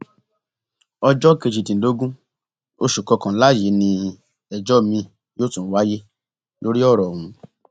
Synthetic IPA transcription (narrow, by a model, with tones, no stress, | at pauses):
ɔ˧d͡ʒɔ˦˨ke˧˨d͡ʒi˨tĩ˨n̩˨˦do˨˦ɡũ˦ | o˧ʃu˨kɔ˧kã˨˦la˦˨je˨˦nĩ˧ | ɛ˨d͡ʒɔ˦˨mĩ˧ | joː˦tũ˨˦wa˦je˦ | lo˦ɾi˦ɔ˦˨ɾɔ˨wũ˨˦